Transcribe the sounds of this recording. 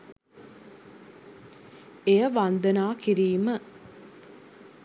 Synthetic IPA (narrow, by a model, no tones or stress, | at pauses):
ejəʋand̪ənaːkiɾiːmə